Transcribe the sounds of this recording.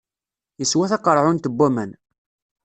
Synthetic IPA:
jəswæθɑqəɾˤʕʊnt̪əbːæmæn

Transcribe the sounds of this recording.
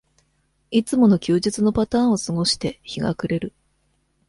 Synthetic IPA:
it͡sɨmo̞no̞kʲɨːʑit͡sɨno̞pat̪ãːɰ̃o̞sɨɡo̞ɕi̥t̪e̞çiɡa̰kɯ̟ɾe̞ɾɯ̟

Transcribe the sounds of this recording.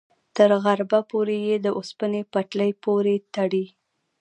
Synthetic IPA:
t̪əɾɣaɾbapoɾejed̪əʔospənepaʈləjpoɾet̪aɽi

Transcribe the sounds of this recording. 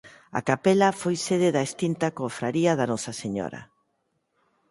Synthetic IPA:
a̰kapelɐfojseðeðɐest̪int̪akofɾaɾiɐðanɔsɐseɲɔ̰ɾɐ̰

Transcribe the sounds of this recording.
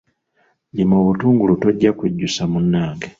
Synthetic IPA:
ɟimoːβutuːŋɡulutoɟːakuɟːusamunːaːŋɡe

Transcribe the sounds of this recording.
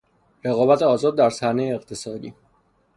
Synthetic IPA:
ɾe̞ɣɒːbæt̪ʰeɒːzɒːd̪̚ːæɾsæhnejeːqt̪ʰe̞sɒːd̪ḭː

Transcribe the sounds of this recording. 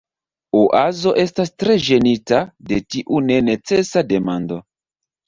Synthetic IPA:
uʔazo̞ʔe̞stastɾe̞ʒe̞nitade̞tiʔune̞ne̞t͡se̞sade̞mando̞

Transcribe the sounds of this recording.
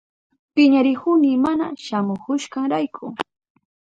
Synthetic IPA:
pɪɲaɾɪkʊnɪmana̰ʃamʊkʊʃkaŋɾajkʰʊ

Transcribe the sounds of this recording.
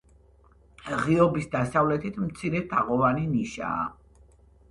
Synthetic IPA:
ʁiɔbisd̪asavlɛt̪ʰit̪ʰmt̪sʰiɾɛd̪̥aʁɔvaniniʃa̰ː

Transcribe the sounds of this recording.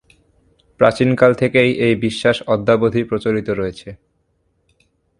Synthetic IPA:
pɾat͡ɕinkalt̪ʰekejejbiʃːaʃɔd̪ʱːabod̪ʱipɾot͡ɕoɾit̪oɾɔet͡ɕʰe

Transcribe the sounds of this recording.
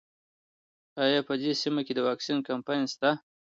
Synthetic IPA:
ajɑpəd̪esimaked̪əwɑksinkampɑjnst̪a

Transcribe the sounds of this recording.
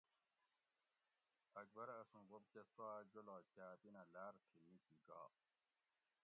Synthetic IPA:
ɐk̚bɐɾɐsũbob̚t͡ɕɐswaːd͡ʑolaːt͡ɕaːpinalaːɾkʰimisiɡa̰ː

